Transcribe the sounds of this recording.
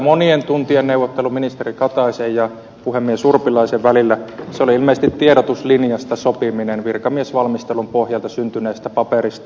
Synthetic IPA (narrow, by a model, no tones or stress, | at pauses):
monient̪unt̪ienneuwʋːˑot̪ːeluminist̪erikɑt̪ɑisejjɑ | puhemːiesurpilɑˑiseʋʋælilːæseoliilmeisest̪it̪t̪ieɾot̪uslinjɑst̪ɑsopiminenʋirkɑmiesʋɑlmist̪elumpohjɑlt̪ɑsynt̪yneːˑist̪æpɑperist̪ɑ